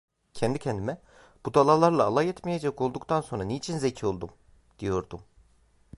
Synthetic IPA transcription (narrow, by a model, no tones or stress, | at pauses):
cʰɛnd̪icʰɛnd̪imɛ | b̥ud̪alˠalˠaɾlˠaːlˠajɛt̪mijed͡ʒɛko̞lˠd̪ukt̪ʰanso̞nɾaneit͡ʃʰinzecʰio̞lˠd̪um | d̪̥ijo̞ɾd̪um